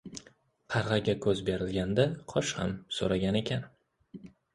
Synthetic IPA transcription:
qʰɑɾʁɑɡʲakʰɵzbe̞ɾɪlɡʲand̪aqʰɒʃha̰mso̰ɾaɡʲane̞kʲʰan

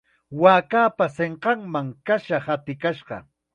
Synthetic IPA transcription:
waːkaːpaseɴqɑŋmaŋkaʃahat̪ɪkaʃɢɑ̰

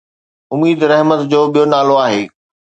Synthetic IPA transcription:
ʊmiːd̪ɾɛɦmət̪d͡ʑoːɓijonaːloaːɦeː

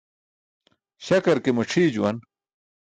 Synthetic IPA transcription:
ɕɐkɐɾkemɐʈ͡ʂʰiːd͡ʑuwɐn

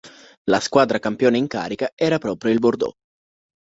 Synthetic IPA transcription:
laskwaːd̪ɾakampjoːneiŋka̰ːɾikaɛːɾapɾɔːpɾjoilbord̪ɔ̰

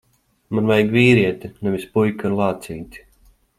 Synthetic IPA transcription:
manvɛjɡviːɾiɛt̪inɛvʲispujkanlˠaːt̪siːt̪ʲi̥

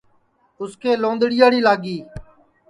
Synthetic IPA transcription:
ʊskeːlõːnd̪ɽɪjaːɽiːlaːɡiː

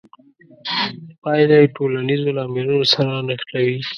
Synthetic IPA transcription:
pɑjlaʈolanizolɑmɪɾunosaɾanəxt̪awi

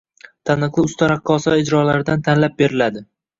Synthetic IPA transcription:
t̪ʰanɨqlˠɪʊst̪ʰaɾaqʰːɒsɒɪd͡ʒɾɒlaɾɪd̪ant̪ʰanlap̚be̞ɾɪlad̪ɪ

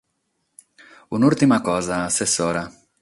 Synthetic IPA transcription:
unuɾt̪imɐkɔzɐːsesɔɾɐ

